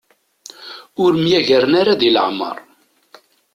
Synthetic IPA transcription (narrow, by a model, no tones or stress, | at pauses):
ʊɾəmjæʝəɾənaɾaðilə̰ʕmə̰ɾˤ